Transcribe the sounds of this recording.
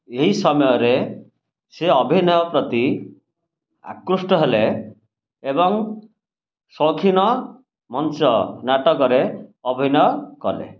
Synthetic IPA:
eɦisɔmɔjɔɾe | seɔbʱinɔjɔpɾɔt̪i | a̰kɾusʈɔɦeleː | bɔŋ | sɔkʰinɔ | mɔnt͡ʃɔnaʈɔkɔɾeɔbʱinɔjɔkɔlḛ

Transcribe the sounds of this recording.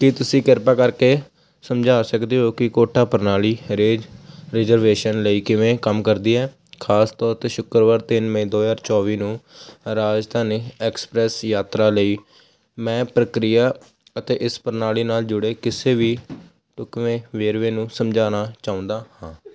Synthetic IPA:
kɪt̪ʊsĩːkɪɾpaːkəɾkeː | səmd͡ʒaːsəkd̪eːɦoːkɪkoːʈʰaːpəɾnaːliːɾeːd͡ʒɾɪzəɾʋeːʃənləiːkɪʋẽːkəmkəɾd̪iːɛː | kʰaːst̪ɔːɾt̪eːʃʊkəɾʋaːɾt̪ɪnmẽːd̪oːd͡ʒaːɾt͡ʃɔːʋiːnũːɾaːd͡ʒt̪ʰaːneːɛːkspɾɛːsjaːt̪ɾaːləiː | mɛ̃ːpɾəkɾɪjaː | ət̪eːʔɪspəɾnaːliːnaːld͡ʒʊɽeːkɪseːʋiː | ʈʊkʋẽːʋeːɾʋẽːnũːsəmd͡ʒaːnaːt͡ʃaːʊ̃nd̪aːhãː

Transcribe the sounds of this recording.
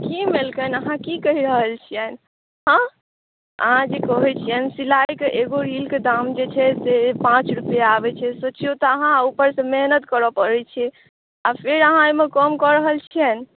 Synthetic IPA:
kimelkənəɦãkikəɦiɾəɦəlt͡ʃʰijɛn | ɦə̃ | ə̰ɦãd͡ʒekɔɦɛt͡ʃʰijənsilajkeʔeɡoɾilked̪amd͡ʒet͡ʃʰɛsepãt͡ʃɾupjaːbɛt͡ʃʰɛsot͡ʃʰiot̪ɔəɦãupəɾsə̃meɦnət̪kəɾɔpəɾɛt͡ʃʰɛ | apʰeɾəɦãemẽkəmkɔɾəɦəlt͡ʃʰijən

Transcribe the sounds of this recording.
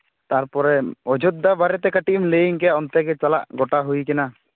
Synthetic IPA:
t̪aɾpɔɾɛɔd͡ʒʱɔd̪ːabaɾɛt̪ɛkaʈimleiŋkɛɔnt̪ɛkɛt͡ʃala̰ʔɡɔʈaɦujkɛna

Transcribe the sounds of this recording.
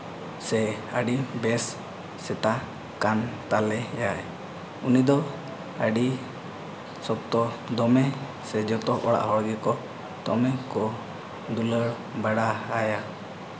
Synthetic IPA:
sɛəɖibɛsː | ɛt̪a | kant̪alɛjaɛ | unid̪ɔ | əɖi | sɔb̚t̪ɔd̪ɔmɛ | sɛd͡ʒɔt̪ɔʔɔɽa̰ʔhɔɽɡɛkɔ | t̪ɔmɛkɔ | d̪uləɽ | baɽaaja

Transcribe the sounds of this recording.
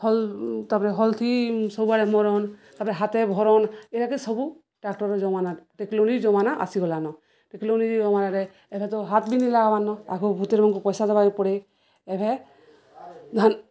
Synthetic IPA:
hɔlt̪ɔpɾɛɦɔlt̪ʰisɔbubaɾɛmɔɾɔnt̪apɾɛɦat̪ɛbʱɔɾɔneɾakisɔbu | ʈakʈɔɾɔd͡ʒɔmanaʈeklonid͡ʒɔmanaʔa̰siɡɔlanɔ | ʈekloniiɔmanaɾɛ | ɛbʱɛt̪ɔɦat̪ʰbinilaɡabanːɔa̰kʰubʱut̪eɾmɔnkupɔjsad̪ɔbaipɔɽe | ɛbʱɛ | d̪ʱan

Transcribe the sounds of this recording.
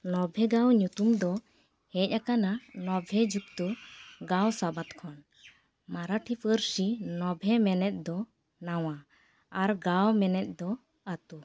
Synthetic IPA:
nɔbʱɛɡawɲut̪umd̪ɔ | hɛc̚ˀakananɔbʱɛd͡ʒuk̚t̪uɡawsabat̪kʰɔn | maɾaʈʰipʰəɾsinɔbʱɛmɛnɛt̪̚ˀd̪ɔ | naw̃a | aɾɡawmɛnɛt̪̚ˀd̪ɔ | at̪u

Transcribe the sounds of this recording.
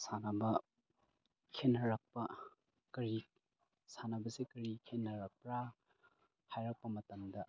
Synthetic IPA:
sanɐbɐ | kʰenːɐɾɐk̚pɐ | kɐɾi | sanɐbɐsekɐɾikʰenːɐɾɐk̚pɾa | hajɾɐk̚pɐmɐtɐmdɐ

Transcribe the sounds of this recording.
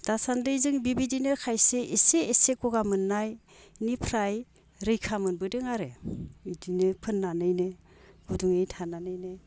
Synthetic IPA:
d̥asandɯjzɯŋbibidinɯkʰajseʔeseːsekɔɡamɯnːaj | nipʰɾaj | ɾɯjkʰamɯnbɯdɯŋaɾeidinɯpʰɯnːanɯjnɯ | ɡ̥uduŋejtʰananɯjnɯ

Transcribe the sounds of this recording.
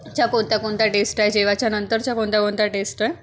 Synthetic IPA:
t͡ɕjakont̪akont̪aʈesʈaɦed͡ʑeʋat͡ɕjanənt̪əɾt͡ɕjakõnt̪akõnt̪aʈesʈae

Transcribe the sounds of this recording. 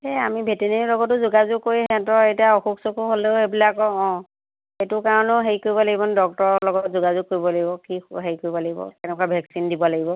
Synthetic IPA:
eamibʱetenilɔɡɔtʊzuɡazʊkːoɹiɦɛ̃tɔetiaoxuksokuɦoleʊebilakɔɔ̃ | etʊkaɹɔnʊɦeɹikoɹibɔlaɡibɔnɛdɔk̚tɔɹɔlɔɡɔtzuɡazʊk̚ːoɹibɔlaɡibɔkiɦeɹjkoɹibɔlaɡibɔ̰tɛnɛkɔabʱɛksindibɔlaɡibɔ

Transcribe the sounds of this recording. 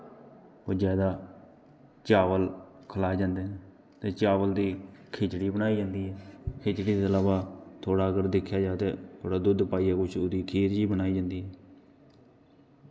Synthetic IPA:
oːd͡ʒaːd̪aː | t͡ʃaːʋəl | kʰəlaːd͡ʒãːnd̪eːneː | t̪eːt͡ʃaːʋəld̪iːkʰeːt͡ʃɽiːbənaːiːd͡ʒãːnd̪iːɦɛːkʰeːt͡ʃɽiːd̪eːəlaːʋaːt̪ʰoːɽaːəɡəɾd̪ɪkʰːjaːd͡ʒaːt̪eːt̪ʰoːɽaːd̪ʊd̪paːiːaːkʊt͡ʃʰoːd̪iːkʰiːɾd͡ʒiːbənaːiːd͡ʒãːnd̪iːɦɛː

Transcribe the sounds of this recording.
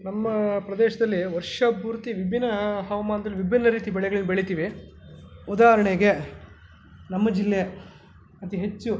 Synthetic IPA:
nɐmːɐpɾɐd̪eːʃɐd̪ɐlːiʋɐɾʂɐbʱuːɾt̪iʋibʱinːɐɦɐʋɐmaːnɐd̪ɐlːiʋibʱinːɐɾiːt̪ibɛɭɛɡɐɭinːɐbeɭit̪iːʋi | ud̪aːɦɐɾɐɳeɡe | nɐmːɐd͡ʒilːe | mɐt̪iɦet͡ʃːu

